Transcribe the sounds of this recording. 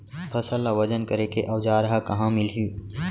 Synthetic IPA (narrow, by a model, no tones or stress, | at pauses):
pʰəsəlːaʋəd͡ʒənkəɾekeʔɐwd͡ʒaːɾɐɦakɐɦãmɪlɦju